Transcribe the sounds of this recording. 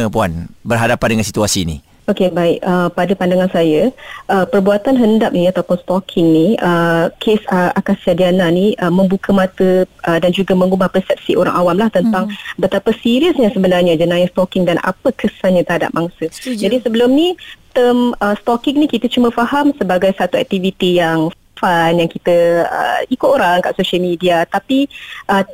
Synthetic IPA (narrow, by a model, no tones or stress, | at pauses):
əpuanbərɦadapandəŋãnsit̪uasiːnḭ | okebaɪkəpadapandaŋansajəʔəpərbuat̪anɦəndap̚niat̪awpʊnst̪ɔkʰɪŋniəkʰesəakasiadiananiəməmbukʰəmãt̪əʔədand͡ʒuɡamə̃ŋubahpərsɛp̚siʔoɾa̰ŋʔawamlaht̪ənt̪aŋbət̪apəsiɾiəsɲasəbənarɲad͡ʒənãjast̪ɔkɪŋdanʔa̰pəkʰəsanɲãt̪əɾɦada̰p̚maŋsəd͡ʒadisəbəlʊmnit̪əməst̪ɔkiŋnikit̪ət͡ʃuməfahamsəbaɡajsat̪uɛ̰k̚t̪ivit̪ijaŋ | fanjaŋkit̪əə̰ikʊt̪oɾaŋka̰ʔsoʃəlmidiat̪apiʔə